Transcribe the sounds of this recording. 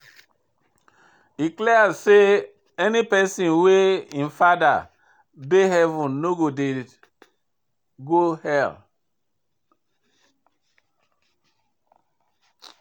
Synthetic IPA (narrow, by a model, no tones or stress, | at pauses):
diklɛazse | ɛnipɛsĩnweĩnfada̰ | beɦɛvũnnoɡode | ɡohɛl